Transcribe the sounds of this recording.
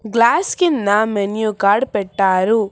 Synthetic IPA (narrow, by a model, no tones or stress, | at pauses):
ɡlaːskind̪ɐmenjukaːɾɖpɛʈːaːɾu